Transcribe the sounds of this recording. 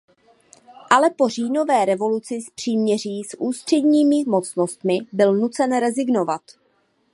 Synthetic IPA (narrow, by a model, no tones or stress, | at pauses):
ʔalɛpo̞r̝iːno̞vɛːɾɛvo̞lut͡sɪspr̝̥iːmɲɛriːsʔuːst̪r̝̥ɛdɲiːmɪmo̞t͡snost̪mɪbɪlnut͡sɛnɾɛzɪɡno̞vat̪